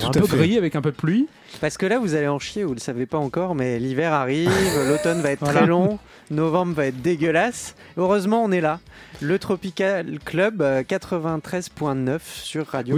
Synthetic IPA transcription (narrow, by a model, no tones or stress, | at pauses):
t̪u̥ɛ̃t̪pøɡʁiavɛkɛ̃pød̪əplɥi | paʁsə̥kəlavuzaleɑ̃ʃjevuləsavepaɑ̃kɔʁmɛlivɛʁaʁivlot̪ɔnvaɛt̪χt̪χɛlɔ̃ | nɔvɑ̃bʁvaɛt̪χd̪eɡʲəlas | øʁøzmɑ̃ɔ̃nɛla | lət̪χɔpikalklœbkat̪χəvɛ̃t̪χɛzpwɛ̃nœfsyʁːad̪jo